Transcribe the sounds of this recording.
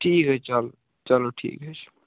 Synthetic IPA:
ʈʰiːkɦɛt͡ʃɐlo | t͡ʃɐloʈʰḭːkɦɛt͡ʃʰ

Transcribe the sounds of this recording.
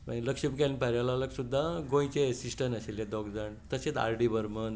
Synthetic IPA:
a̰nləkʂəmkɛnpaɾjalaləksud̪ʱːaɡõjt͡ɕeəsisʈənəseljad̪ɔɡd͡zaɳt̪əset̪a̰ɾɖibəɾmən

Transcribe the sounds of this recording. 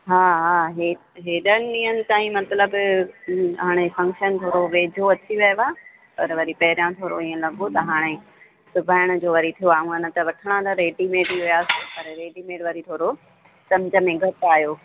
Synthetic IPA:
ɦaːɦaːɦe | ɦeːɗənɪ̆ɗĩːənɪ̆t̪aːĩmɐt̪ləb | ɦaːɽ̃efɐ̃ŋkʃənt̪ʰoːɾoʋeːd̪ʱoɐt͡ɕiʋɐjaː | pɐ̰ɾʋɐɾipɐɦɪɾjãt̪ʰoːɾoĩːə̃lɐɡot̪ɐɦaːɽ̃e | sʊbʱaːɪɽ̃ʊ̆d͡ʑoːʋɐɾit̪ʰijoaːũənət̪ɐʋɐʈʰəɽ̃ãd̪aɾeːɖimeːɖiɦʊjaːsopɐɾɾeːɖimeːɖʋɐɾit̪ʰoːɽo | sɐmd͡ʑə̆mẽɡʱɐt̪aːɦjoː

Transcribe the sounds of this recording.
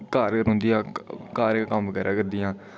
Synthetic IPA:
kaːɾəɾʊ̃ːnd̪ijãːkaːɾkːkəmʋəɡɛːɾʔaːkəɾd̪ɪjãː

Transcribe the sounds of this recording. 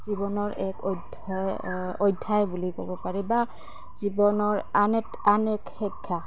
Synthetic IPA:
z̥ibɔnɔɹɛkɔd | ojdʱːajbulikɔ̰bɔpaɹiba | z̥ibɔnɔɹanɛtanɛkxɔkʰːa

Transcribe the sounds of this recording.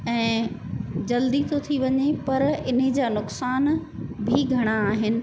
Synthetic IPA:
ɛ̃ː | d͡ʑɐld̪it̪ʰot̪ʰiʋɐɲepɐɾɪnɦed͡ʑaːnʊksaːn | bʱiɡʱɐɽ̃aːɦɪnɪ̆

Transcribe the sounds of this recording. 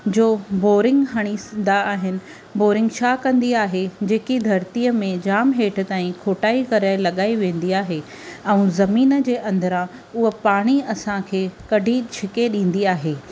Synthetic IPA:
d͡ʑoːboːɾɪ̃ŋɡɦɐɽ̃isnd̪aːɦɪnɪ̆ | boːɾɪ̃ŋɡt͡ɕʰakɐ̃nd̪iaːɦed͡ʑeːkid̪ʱɐɾt̪iːəmẽd͡ʑaːmɦeːʈ̆ʰt̪aːĩkʰoːʈaːikɐɾaːɪlɐɠaːiʋẽːn̆d̪iaːɦe | ɛ̃ũzɐmiːnə̆d͡ʑeːʔɐ̃nd̪əɾã | ʊɦəpaːɽ̃iɐsãkʰeːkɐɖʱit͡ɕʰɪkeɗĩːn̆d̪iaːɦeː

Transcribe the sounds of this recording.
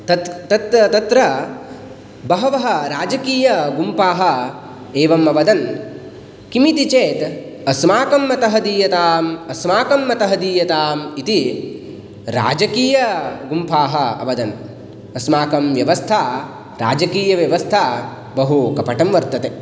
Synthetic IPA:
t̪ɐt̪ɐt̪t̪ɐt̪ɾɐ | bɐɦɐʋɐɦɐ̆ɾaːd͡ʒɐkiːjɐɡumpʰaːɦɐ̆ | eːʋɐmɐʋɐd̪ɐn | kimit̪it͡ʃeːt̪ | ɐsmaːkɐmːɐt̪ɐɦɐd̪iːjɐt̪aːmɐsmaːkɐmːɐt̪ɐɦɐd̪iːjɐt̪aːmit̪i | ɾa̰ːd͡ʒɐkiːjɐɡumpʰaːɦɐ̆ɐ̰ʋɐd̪ɐn | ɐsmaːkɐmʋjɐʋɐst̪ʰaː | ɾa̰ːd͡ʒɐkiːjɐʋjɐʋɐst̪ʰaː | bɐɦukɐpɐʈɐmʋɐɾt̪ɐt̪e

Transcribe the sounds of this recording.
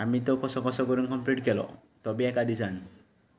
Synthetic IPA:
amit̪ɔkɔsɔkɔsɔɡɔɾiŋkɔmpliʈ̚kelɔ̰ | t̪ɔbiɛkad̪isan

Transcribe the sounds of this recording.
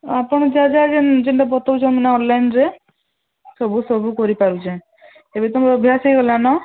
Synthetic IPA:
apɔɽ̃ɔd͡ʒad͡ʒad͡ʒend͡ʒeɳʈabɔt̪ɔwd͡ʒɔminaɔnlajnɾe | sɔbusɔbukɔɾipaɾut͡ʃʰe | ebet̪omɾɔbʱjasejɡɔlanɔ

